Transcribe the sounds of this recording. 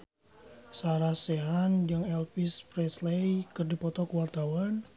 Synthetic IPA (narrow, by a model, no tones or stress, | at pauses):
saɾasɛɦand͡ʒɨŋɛlpispɾɛslejkɨrdipɔt̪ɔkəwart̪awan